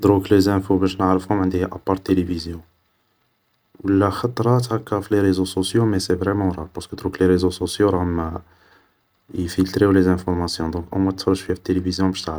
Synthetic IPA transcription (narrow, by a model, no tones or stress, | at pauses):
d̪ɾuklezæ̃fobæʃnəʕɾəfhʊmʕənd̪ihʔɑpːɑɾˤt̪ːelevizjɔ̃ | wəlːæxɑt̪ˤɾˤɑt̪hækːɑfileɾezososjomɛsevʁemɑ̃ɾˤɑpɑskəd̪ɾukleɾezososjoɾˤɑhmæ | ifilt̪ɾiwlezæ̃fɔɾmɑsjɔ̃d̪ɔ̃kʔæmæt̪fɑɾˤːʃfihæfi̥t̪ːelevizjɔ̃bæʃt̪aʕɾəf